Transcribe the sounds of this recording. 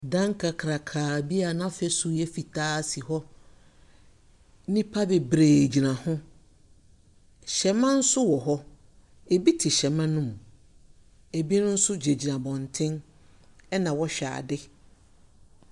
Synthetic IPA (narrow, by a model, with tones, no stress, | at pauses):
dã˦ŋkʰa˨kʰɾa˨kʰaː˨bi˦a˨nã˦fɛ˦sʊ˨jɛ˦fi˨tʰaː˦si˨hɔ˦ | nĩ˦pʰa˦bɛ˨bɾeː˨d͡ʑi˨nã˨hʊ̃˦ | ɕɛ˨mã˦n̩˦sʊ˦wɔ˨ɦɔ˦ | e˨bi˦tʰɪ˨ɕɛ˨mã˦nũ˦m˨ | e˨bi˦nʊ̃˦n̩˦sʊ˦d͡ʑe˨d͡ʑi˨nã˨bɔ̃˨ntʰɪ̃˦n | ɛ˦nã˨wɔ˦ɕᶣa̰ː˨dɪ˦